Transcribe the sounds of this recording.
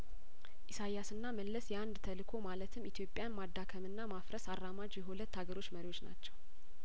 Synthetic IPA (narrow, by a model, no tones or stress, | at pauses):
ʔisajasɨnːaməlːəsjɛand̪t̪ʰəlɨkʰo̞malət̪ʰɨmit̪ʰjo̞pʼːjanmad̪ːakʰəmɨnːamafɾəsarːamad͡ʒjɛɦhulət̪ːaɡəɾo̞t͡ʃːməɾiwo̞t͡ʃːna̰t͡ʃːɛw